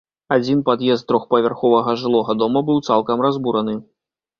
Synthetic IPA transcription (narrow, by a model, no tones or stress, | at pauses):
ad͡zʲinpad̪jɛst̪̚t̪ɾɔxpɐvʲarxɔvɐɣɐʐɨlˠɔɣɐd̪ɔmɐbɨwt̪salˠkɐmɾazbuɾɐnɨ